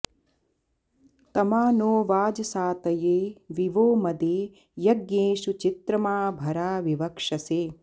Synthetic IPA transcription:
t̪ɐmaːnoːʋaːd͡ʒɐsaːt̪ɐjeːʋiʋoːmɐd̪eː | jɐɡjeːʃut͡ʃit̪ɾɐmaːbʱɐɾaːʋiʋɐkʂɐseː

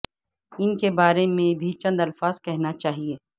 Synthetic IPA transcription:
ɪnkebaːɾemẽbʱit͡ʃɐ̃nd̪ɐlfaːzkɛɦnat͡ʃaːɦieː

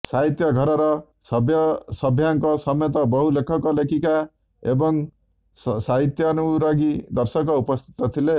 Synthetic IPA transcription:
saɦit̪jʌɡʱʌɾɔɾʌ | bjsʌbʱjaŋkɔsʌmet̪ɔbɔɦulekʰɔkɔlekʰika | ebɔŋ | saɦit̪jɔnuɾaɡid̪ʌɾsʌkɔupɔst̪ʰi̥t̪ɔt̪ʰile

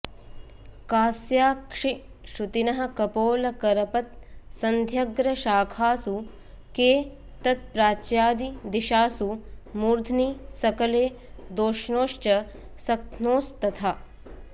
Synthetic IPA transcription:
kaːsjaːkʂi | ʃɾut̪inɐɦɐ̆kɐpoːlɐkɐɾɐpɐt̪̚sɐnd̪ʱjɐɡɾɐʃaːkʰaːsu | keː | t̪ɐt̪̚pɾaːt͡ʃjaːd̪id̪iʃaːsumuːɾd̪ʱnisɐkɐleː | d̪oːʃnoːʃt͡ʃɐ | sɐk̚t̪ʰnoːst̪ɐt̪ʰaː

